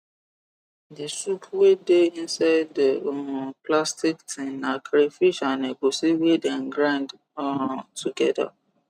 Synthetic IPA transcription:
desupʰwedeĩnsaɪdpʰlastiktʰĩnnãkʰɾefiʃanebosiwedãnɡɾãnd | tuɡɛda̰

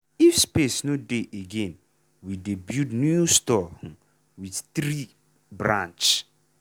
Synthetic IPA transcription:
ifspesnodeʔeɡẽn | widebjudnjustɔh̩ | widtɾi | bɾã̰nt͡ʃ

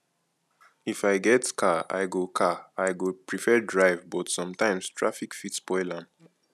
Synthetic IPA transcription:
ifaɪɡɛtkʰaa̰ɪɡokʰaaɪɡopʰɹifɛdɹaɪvbɔtsɔ̃mtãɪ̃mstʰɹafikfitspɔɪlãm

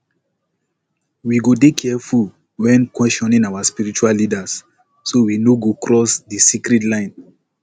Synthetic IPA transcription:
wiɡodekʰɛɛful | wɛ̃nkwɛstɔ̃nĩnawaspiɾit͡ʃualːidas | sowinoɡokɹɔsdisikɾitlãɪ̃n

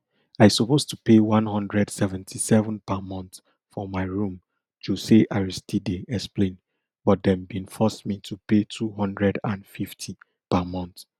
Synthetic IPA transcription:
aɪsupostʰupewɔ̃nhʌ̃ndɹɛdsɛvɛ̃ntʰisɛvə̃npamɔ̃nθ | fɔmaɪɹũm | d͡ʒuseʔaɹistideʔɛksplẽn | b̥ɔt̚dɛ̃mbĩnfɔsmitʰupetʰuɦɔ̃ndɹɛdãnfiftʰi | pamɔ̃nθ

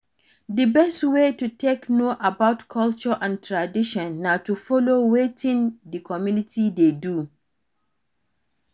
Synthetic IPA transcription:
dɨbɛstwetutʰeknoʔabaʊtkʰɔlt͡ʃɔʔãntʰɹadiʃɔ̃nːatufɔlowetʰĩndɨkʰɔmjũnitʰidedu

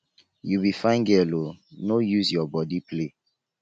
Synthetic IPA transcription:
jubifãɪ̃nɡɛlonojuzjɔbɔdiple

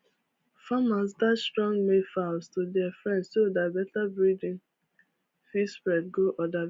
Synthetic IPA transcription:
famas̬datstɹɔ̃ŋɡmefastudɛafɹɛ̃ndsodatbɛtabɹidĩn | fispɹɛd̚ɡoʔɔda

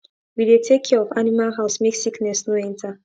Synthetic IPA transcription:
widetʰekʰiɔvanimalɦaʊsmeksiknɛsnoɛ̃ntʰa

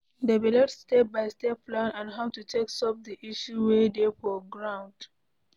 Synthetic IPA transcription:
debilɛtstebaɪstɛplãnãnɦaʊtutʰeksɔp̚diʔiʃuwedefɔɡɹãʊ̃nd

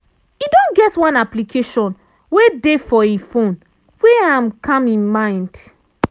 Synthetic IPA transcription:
idõnɡɛtwãnaplikʰeʃɔ̃n | wedefɔifõn | weaãmkʰãmĩnmãɪ̃nd̥

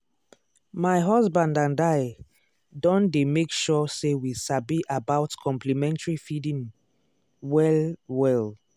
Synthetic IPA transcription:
maɪɦɔzbãndãndaɪ | dɔ̃ndemekʃɔsewisabiʔabaʊtkʰɔ̃mpʰlimɛ̃ntaɹifidĩŋ | wɛlwɛl

